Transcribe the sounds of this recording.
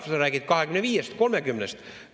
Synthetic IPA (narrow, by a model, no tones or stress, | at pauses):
fɑsɑrækit̪̚kɑhekymneʋiːjest̪ko̞lmekymnest̪